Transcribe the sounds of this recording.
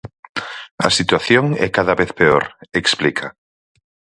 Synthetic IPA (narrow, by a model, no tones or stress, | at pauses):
ɐ̰sit̪waθjoŋɛ̰kaðaβeθpeo̰ɾeksplikʰa